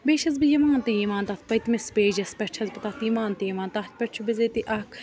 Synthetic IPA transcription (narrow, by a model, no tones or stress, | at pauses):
beːʃɐzbijɐmaːnt̪ɐjimaːnt̪ɐt̪ʰpɐjt̪mespeːd͡ʒɐspʲɛt͡ʃʰɐzpɐt̪ɐt̪jimaːnt̪ijɐmaːnt̪ɐt̪̚ʰpʲɛʈt͡ʃʰubizet̪iʔɐkʰ